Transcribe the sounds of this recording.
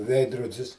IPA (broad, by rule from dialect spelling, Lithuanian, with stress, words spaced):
ˈʋʲɛɪdroːdʲɪs